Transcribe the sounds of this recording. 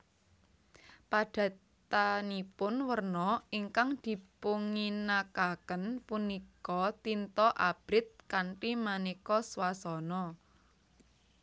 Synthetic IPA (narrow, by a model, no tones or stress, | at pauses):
paɖ̥ä̤ | t̪anipʊnwərnɔiŋkaŋd̪̥i̤puŋinakakənpunikɔt̪int̪ɔʔab̥ɾɪt̪̚kaɳʈimanikɔswasɔnɔ